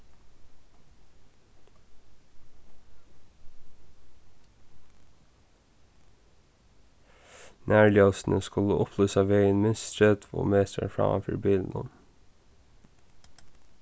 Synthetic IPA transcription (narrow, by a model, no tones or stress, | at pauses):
nʔæːɭɪɑsn̩əskʉləʔʊpʰløːsɑːʋeɪənmɪst̪ɾɛt̪ʰʋo̰ːmeːst̪ə̰fɹɑ̰ːfy̰ɾbiːln̩ɔm